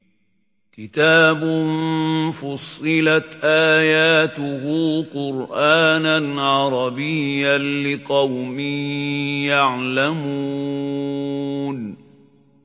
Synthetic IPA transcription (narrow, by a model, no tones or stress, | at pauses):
kɪt̪aːbʊnfʊsˤːɨlat̪ʔaːjaːt̪ʊhuːqʊɾʔaːnanʕɑɾˤɑbɪjːalɪqɑwmɪ | jaʕlamuː | n